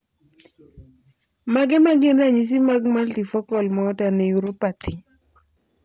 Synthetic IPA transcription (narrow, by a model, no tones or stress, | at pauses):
maɡɛmaɡɪnaɲis̬imaɡmalt̪ifɔkɔlmɔːtaneuɾopat̪ɪ